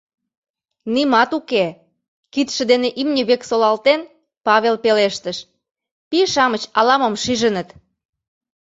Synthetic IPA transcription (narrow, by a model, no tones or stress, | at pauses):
nimɑt̪uke | kit̪ʃə̆d̪eneʔimnʲəβeksolɑlt̪en | pɑβelpeleʃt̪əʃ | piʃɑmət͡ɕɑlɑmə̆mʃiʒə̆nət̪